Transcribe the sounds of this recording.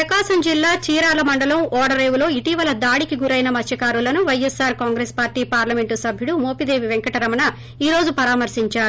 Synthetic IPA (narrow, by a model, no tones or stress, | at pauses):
ɐkaːsɐmd͡ʒilːaːt͡ʃiːɾaːlɐmɐɳɖɐlɐmɔːɽɐɾejʋulo̞ːiʈiʋɐlɐd̪aːɽikiɡuɾɐjnɐmɐt͡ʃʰːɐkaːɾulɐnuʋɐjesːaːɾkaːŋɡɾespaːɾʈiːpaːɾlɐme̞ɳʈusɐbʱjuɽumoːpid̪e̞ːʋiʋeŋkɐʈɐɾɐmɐnɐ | iːɾo̞ːd͡ʒupɐɾaːmɐɾsiɲt͡ʃaːɾu